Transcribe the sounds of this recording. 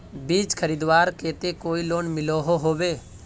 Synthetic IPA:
biːd͡ʒkʰəɾiːd̪ʋaːɾkeːt̪ekoːiloːnmɪloɦoɦoːʋeː

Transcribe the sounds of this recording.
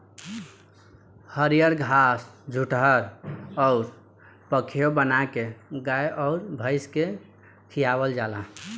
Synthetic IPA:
həɾijəɾɡʱasd͡ʒʱuʈɦəɾɔʊɾ | pəkʰeobənakeɡajʔɔʊɾbʱəɪske | t̪ʰijabəld͡ʒala

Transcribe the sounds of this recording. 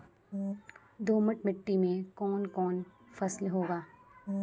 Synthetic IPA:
d̪oːməʈmɪʈːimẽkɔːnkɔːn | fɐslɦoːɡaː

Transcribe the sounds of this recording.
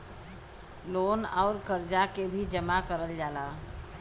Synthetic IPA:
loːnɔːɾkəɾd͡ʒakebʱid͡ʒəmakəɾəld͡ʒaːla

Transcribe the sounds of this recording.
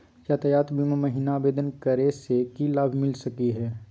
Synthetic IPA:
jaːt̪ɐjaːt̪bimamɐɦiːnaːbeːd̪ənkəɾesekilaːbʱmɪlsɐkiɦɛː

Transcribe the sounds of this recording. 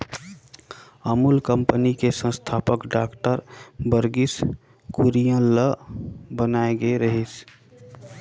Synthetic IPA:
əmulkəmpənikesə̃st̪ʰapəkɖakʈəɾbəɾɡis | kuɾijə̃ləbənaeɡeɾəɦis

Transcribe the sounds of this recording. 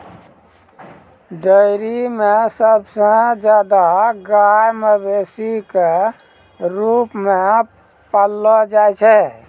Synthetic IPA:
ɖəɪɾimesəbsə̃d͡ʒjaːd̪aɡajmebesike | ɾupme | pəlːɔd͡ʒaɛt͡ʃʰɛ

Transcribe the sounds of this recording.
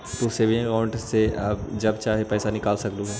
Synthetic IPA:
t̪oseʋbʱĩkãːɳʈːeabd͡ʒɐbt͡ʃaːɦepɛːsanɪkaːlsɐkluɦɛ

